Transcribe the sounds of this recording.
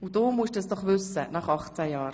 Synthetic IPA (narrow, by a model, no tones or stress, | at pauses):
udoːmuʃdɛsd̥ɔχvʏsənɑχɑχt͡sɛjɑːɾ